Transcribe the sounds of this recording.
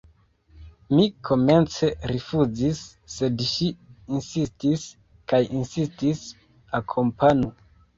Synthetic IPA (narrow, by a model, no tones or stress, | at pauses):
mikʰo̞me̞nt͡se̞ɾifuzisː | e̞dʃiinsistis | kajinsistis | akʰo̞mpanu